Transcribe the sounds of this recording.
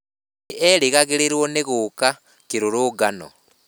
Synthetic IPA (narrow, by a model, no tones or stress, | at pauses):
eliɣaɣiliɾwoneɣuka | kiɾuɾuɡano̰